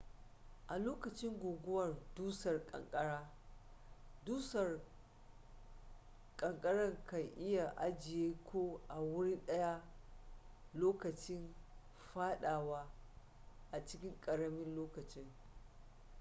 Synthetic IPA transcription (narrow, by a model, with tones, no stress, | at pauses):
ʔa˨loː˦kɐ˨t͡ʃɪ˦ŋɡʷoː˨ɡʷʊ˦wɐ˨rduː˦sɐ˨rkʼɐ̰˨ŋkʼɐ˦ɽaː˦ | duː˦sɐ˨r | kʼɐ˨ŋkʼɐ˦ɽɐ˦ŋkɐ˨jʔɪ˦ja˨ʔa˦d͡ʒɪ˨jeː˦kʷʰoː˦ʔa˨wʊ˦ɽi˦ɗɐ˦ja˦ | loː˦kɐ˨t͡ʃɪ˦n | ɸaː˦ɗaː˨waː˦ | ʔa˨t͡ʃɪ˦kʲɪ˦ŋkʼɐ˨ɽɐ˦mɪ˦nloː˦kɐ˨t͡ʃɪ˦ŋ